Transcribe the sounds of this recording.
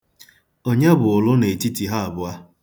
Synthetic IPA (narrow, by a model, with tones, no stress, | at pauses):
o˦ɲe˦bʊ˨ʊ˨lʊ˦ne˨e˨ti˦ti˨ɦa˦a˨bʊ˦a˦